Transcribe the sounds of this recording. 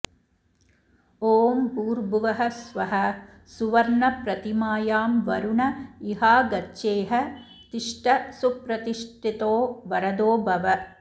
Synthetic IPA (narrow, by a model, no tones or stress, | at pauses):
oːmpuːɾbuʋɐɦɐsʋɐɦɐ | suʋɐɾɳɐpɾɐt̪imaːjaːmʋɐ̰ɾuɳɐiɦaːɡɐʃeːɦɐ | t̪iʂʈɐsupɾɐt̪iʂʈit̪oːʋɐɾɐd̪oːbɐʋɐ